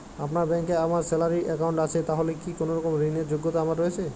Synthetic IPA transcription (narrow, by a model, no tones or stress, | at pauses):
apnaɾbɛŋkeamaɾsɛlaɾiʔɛkawɳʈat͡ɕʰet̪aɦolekikonoɾɔkomɾineɾd͡ʑoɡːot̪aamaɾːoet͡ɕʰe